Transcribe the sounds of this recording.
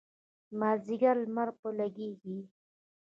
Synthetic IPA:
maːziɡaɾlmaɾpolaɡeɡi

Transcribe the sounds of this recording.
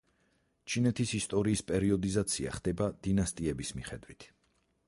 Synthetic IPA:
t͡ʃʰinɛt̪ʰisist̪ʼɔɾiːspʼɛɾiɔd̪izat̪sʰia̰χd̪̥ɛbad̪̥inast̪ʼiɛbismiχɛd̪wit̪ʰ

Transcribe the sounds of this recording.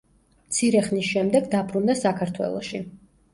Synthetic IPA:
mt̪sʰiɾɛχnisʃɛmd̪ɛɡd̪abɾund̪asakʰaɾt̪ʰwɛ̰lˠɔ̰ʃi

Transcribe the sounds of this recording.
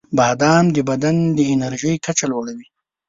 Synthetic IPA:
bad̪ɑmd̪əbad̪and̪əɪnaɾʒəjkat͡ʃaloɽawi

